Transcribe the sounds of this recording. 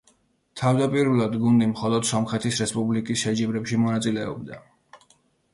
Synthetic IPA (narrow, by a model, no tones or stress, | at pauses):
t̪ʰavd̪apʼiɾulˠad̪ɡund̪imχɔlˠɔd̪̥sɔmχɛt̪ʰisɾɛspʼublikʼisʃɛd͡ʒɛbɾɛpʃimɔnat̪sʼilɛɔ̰bd̪a̰